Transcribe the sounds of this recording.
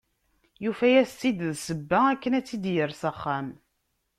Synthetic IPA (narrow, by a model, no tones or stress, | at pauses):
jufæjæst̪ːid̪ðsəbːæækːənæt͡sːid̪jəɾsəχːæm